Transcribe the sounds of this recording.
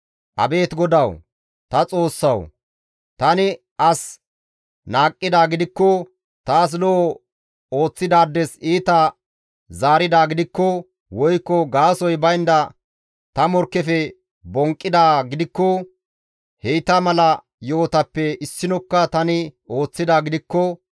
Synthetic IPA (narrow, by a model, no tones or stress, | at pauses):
ʔɐ̰be̞ːt̪ɡɔd̪ɐw | t̪ɐt͡sʼo̞ːsːɐw | t̪ɐnɪ | ʔɐs | naːkʼːɪd̪aːɡɪd̪ɪkːɔ | t̪aːs̬lɔ | o̞ːt͡sːɪd̪aːd̪ːɛsiːt̪ɐ | zaːɾɪd̪aːɡɪd̪ɪkːɔ | wɔjkːɔɡaːsɔjbɐjnd̪ɐ | t̪ɐmɔɾkːɛfɛ | bɔŋkʼːɪd̪aːɡɪd̪ɪkːɔ | hɛjt̪ɐmɐlɐ | joːt̪ɐpːɛɪsːɪnɔkːɐt̪ɐnɪo̞ːt͡sːɪd̪aːɡɪd̪ɪkːɔ